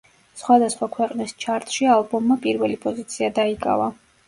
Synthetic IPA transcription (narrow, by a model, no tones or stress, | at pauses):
sχwad̪asχwakʰwɛqʼnist͡ʃʰaɾt̪ʼʃialˠbɔmːapʼiɾvɛlipʼɔzit̪sʰiad̪aikʼa̰va